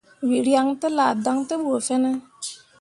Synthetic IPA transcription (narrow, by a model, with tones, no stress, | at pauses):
wi˨ɾja˧ŋtɨ˦la˨da˦ŋtɨ˦ɓo˨fɛ˦nə˦